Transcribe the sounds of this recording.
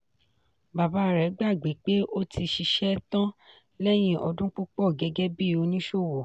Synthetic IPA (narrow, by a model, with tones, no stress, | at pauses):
ba˨ba˨˦˨ɾɛ˨˦ɡ͡ba˦˨ɡ͡be˨˦k͡pe˦ʔo˦tʰi˧ʃi˧ʃɛ˦tã˦ | lɛ˦j̃ĩ˦ʔɔ˧dũ˦k͡pu˦k͡pɔ˦˨ɡɛ˨˧ɡɛ˦bi˦˨o˨˧nĩ˦ʃo˦˨wo˨